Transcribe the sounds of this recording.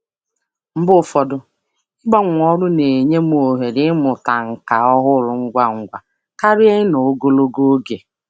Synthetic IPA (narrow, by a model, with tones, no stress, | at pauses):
m̩˦bʊ˦˨fɔ˨dʊ˨ | ɪ˦ɡ͡ba˦ŋʷ˨ɔ˦ɾʊ˦ne˨ɲe˦m˦˨o˨ɦe˨dɪ˦mʊ˨ta˨ŋ̩˨ka˨ɔ˦ɦʊ˦lʊ˨ŋ̩˦ɡʷa˦ŋ̩˨ɡʷa˨ | ka˦ɾje˦ɪ˦no˨o˦ɡo˦lo˦ɡo˦o˦ɡe˨